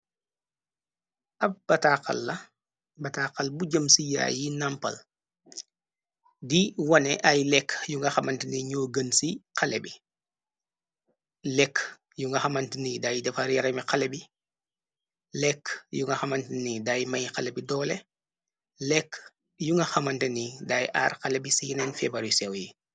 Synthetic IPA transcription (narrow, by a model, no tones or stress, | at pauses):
ʔɐfb̥ɐtaqɐ̰lːɐ | bɐtaːqalbuɟɐmsija̰jinampɐ̰l | diwɔnɛʔajlɛkjuŋɡaxamantiniɲoɡɐnsiqʰalɛbi | lɛk | juŋɡɐxamantinidajdɛfaɾjaɾamixalɛbi | lɛkjuŋɡaxamantnidajmajxalɛbidɔːlɛ | lɛk | juŋɡɐxamantɛnidajʔa̰ːɾxalɛbisinɛnfɛbaɾisɛwji